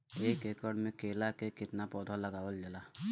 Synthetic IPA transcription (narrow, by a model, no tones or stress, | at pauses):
eːkekəɽmẽkeːlakekɪt̪napɔːd̪ʱɔləɡaːwəld͡ʒəlaː